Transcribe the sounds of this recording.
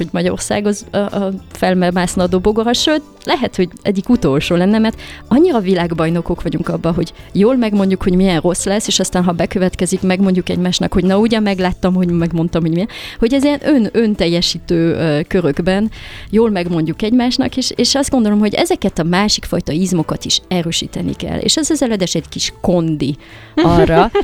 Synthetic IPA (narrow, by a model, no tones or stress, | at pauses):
oɟmɒɟɒo̰rsa̰ːɡɒzɒʔfɛlmɛmaːsnːd̪oːboɡoɾɒʃøːt̪ | lɛɦɛt̪ho̞ɟɛ̰ɟːikut̪o̞lʃoːlɛnːɛmɛrt̪ɒɲːiɾɒvilaːɡbɒjno̞ko̞kʋɒɟuŋkɒbːɒɦo̞ɟjoːlmɛɡmo̞ɲɟukho̞ɟmiɛnro̞sːlɛsːeːʃɒst̪aːnɦɒbɛkø̞vɛt̪kɛzikmɛɡmo̞ɲɟukɛ̰ɟmaːʃnɒ̰kho̞ɟnɒuɟɒmɛɡlaːt̪ːɒmho̞ɟmɛɡmo̞nt̪ɒmho̞ɟmiɛnho̞ɟɛziɛnʔønø̞nt̪ɛjːɛʃiːt̪øːkø̞ɾøɡbɛnjoːlmɛɡmo̞ɲɟukɛɟmaːʃnɒ̰keːʃeːʃɒzd̪ɡo̞nd̪o̞lo̞mɦo̞ɟɛ̰zɛkɛt̪ɒmaːʃikfɒjt̪ɒizmo̞kɒt̪iʃɛɾøːʃḭːt̪ɛnḭkɛ̰lːḛːʃɛzɒzɛlɛd̪ɛʃɛɟkiʃko̞nd̪i | ɒrːɒ